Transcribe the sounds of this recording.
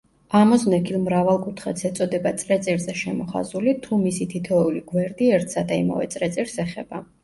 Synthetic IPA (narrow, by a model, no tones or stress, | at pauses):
amɔznɛkʰilˠmɾavalˠkʼut̪ʰχat̪sʰɛt̪sʼɔd̪ɛbat̪sʼɾɛt̪sʼiɾzɛʃɛmɔχa̰zulit̪ʰumisit̪ʰit̪ʰɔuliɡwɛɾd̪iɛɾt̪ʰsad̪aḭma̰vɛ̰t̪sʼɾɛt̪sʼiɾsɛχɛ̰b̥a